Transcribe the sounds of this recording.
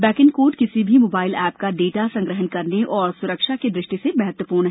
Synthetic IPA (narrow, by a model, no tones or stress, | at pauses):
bɛːkɪ̃ŋkoːʈkɪsibʱimoːbaːɪlɛːpkaɖeːʈasɐ̃ŋɡɾəɦənkɐɾneʔɔːɾsʊɾəkʃaked̪ɾɪʃʈisemɛɦɛt̪wəpuːɾnɦ